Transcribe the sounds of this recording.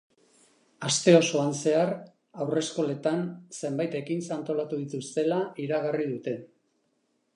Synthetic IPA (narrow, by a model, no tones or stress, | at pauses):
ast̪e̞o̞so̞anse̞ar | awre̞sko̞le̞t̪anse̞mbajt̪e̞kinsant̪o̞lat̪uðit̪ust̪e̞laiɾaɣariðut̪e̞